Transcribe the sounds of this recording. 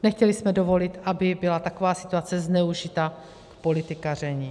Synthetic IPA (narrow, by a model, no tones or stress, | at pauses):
nɛxcɛlɪsmɛdo̞vo̞lɪt̪ʔabɪbɪlat̪ako̞vaːsɪ̥t̪uat͡sɛznɛuʒɪt̪aː | po̞lɪt̪ɪkarɛɲi